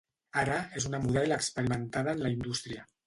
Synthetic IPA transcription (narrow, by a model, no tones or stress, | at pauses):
aɾaezunamuð̞ɛlakspəɾimənt̪að̞aːnlaind̪ust̪ɾia